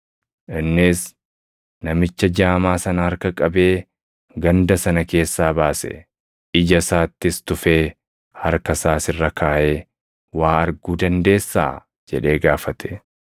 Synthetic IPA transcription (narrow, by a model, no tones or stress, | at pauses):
ʔɪnːɪs | nɐmɪt͡ʃːɐd͡ʒaːmaːsɐnɐhɐɾkɐkʼɐbe̞ː | ɡɐnd̪ɐsɐnɐke̞ːsːaːbaːsɛ̰ | ɪd͡ʒɐsaːt̪ːɪst̪ʊfeː | hɐɾkɐsaːsɪrːɐkʰaːʔeː | waːɐɾɡuːd̪ɐnd̪e̞ːsːa̰ː | d͡ʒɛᶑe̞ːɡaːfɐt̪ʰɛ̥